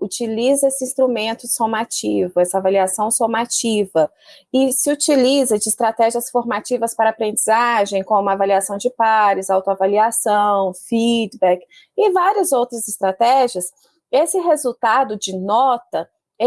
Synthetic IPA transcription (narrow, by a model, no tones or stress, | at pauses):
ut͡ʃilizɐesɪĩst̪ɾumẽnt̪ʊsomat͡ʃivʊɛsɐavaliasɐ̃w̃somat͡ʃivɐ | ɪsɪut͡ʃilizɐd͡ʒɪːst̪ɾat̪ɛʒiɐsfoɾmat͡ʃivɐspaɾapɾẽnd͡ʒizaʒẽj̃kõmũmɐavaliasɐ̃w̃d͡ʒɪpaɾɪzawt̪oavaliasɐ̃w̃fid̪bɛk | ɪvaɾiɐzowt̪ɾɐzɪst̪ɾat̪ɛʒiɐs | esɪɦezut̪ad̪ʊd͡ʒɪnɔt̪ɐ | ɛ